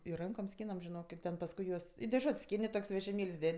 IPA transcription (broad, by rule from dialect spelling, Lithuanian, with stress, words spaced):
ɪr ˈrɐŋkoːm ˈsʲkʲiːnɐm ʒʲɪˈnoːk ɪ ˈtʲɛn pɐsˈkʊɪ juɔs ɪ dʲɛˈʒʊtʲsʲ ˈsʲkʲɪnʲ ɪ ˈtoːkʲsʲ ʋʲɛʒʲɪˈmʲeːlʲsʲ ˈdʲɛtʲ